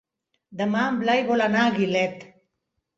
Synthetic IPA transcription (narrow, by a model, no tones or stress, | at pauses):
d̪ɐmaːmblajbolanaːɡilet̪